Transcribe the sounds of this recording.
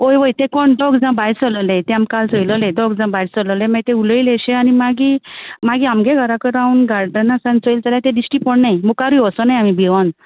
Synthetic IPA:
ojʋəjt̪ekɔɳɖɔɡd͡zãbajsɔlɔlet̪eamkalsɔjlɔleɖɔɡd͡zãbajt͡sɔlɔlemaɡt̪ẽuləileɕẽanimaɡimaɡiamɡeɡʱəɾakəɾaunɡaɾɖənasãnsəjlt͡saljat̪ẽdisʈipəɳnajmukaɾuiʋɔsɔnajamibiʋan

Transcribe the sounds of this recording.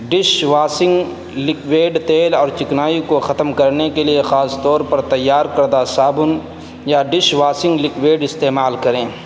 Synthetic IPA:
ɖɪʃʋaːsɪ̃ŋɡ | lɪkweːɖt̪eːlɔːɾt͡ʃɪknaːikoxɐt̪mkɐɾnekeliexaːst̪ɔːɾpɐɾt̪ɐjːaːɾkɐɾd̪asaːbʊn | jaɖɪʃʋaːsɪ̃ŋɡlɪkʋeːɖɪst̪eːmaːlkɐɾẽː

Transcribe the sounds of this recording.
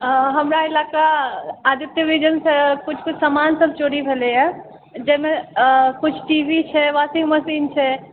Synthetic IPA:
ɦəmɾaɪlakaːd̪it̪jəʋid͡ʒənsẽkʊt͡ʃʰkʊt͡ʃʰsəmaːnsəb̚ʱt͡ʃoɽibʱeleja | d͡ʒɛɦmẽkʊt͡ʃʰʈiʋʱit͡ʃʰɛʋasĩŋɡməsint͡ʃʰɛ

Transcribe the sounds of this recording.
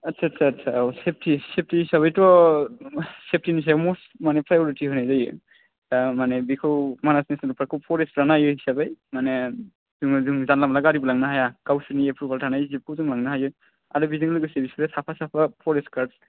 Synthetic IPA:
atsʰaːtsʰaːtsʰasep̚ʰtisep̚ʰtihisabajtɔ | sep̚tinis̬abmɔs | manɛpʰɾajɔɾitʰiɦɔjnajzajɯ̰ | amanɛbikʰɯwmanasnesnaɾɔpɾakʰɯwpʰɔɾesɾanajɯhisabajmanɛ | zuŋzuŋzanlamlaɡaɾibɔlaŋnaɦajaɡ̥awsɯniepʰubaltʰanajzikʰuzɯŋlaŋnaɦajɯ | aɾubiziŋlɯɡɯsebisɔɾɛsapʰasapʰapʰɔɾeskaɾs

